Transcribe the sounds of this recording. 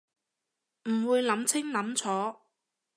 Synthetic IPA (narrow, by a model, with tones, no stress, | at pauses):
m̩˨˩wuː˨˧jlɐ˨˥mt͡sʰɪ˥ŋlɐ˨˥mt͡sʰɔː˨˥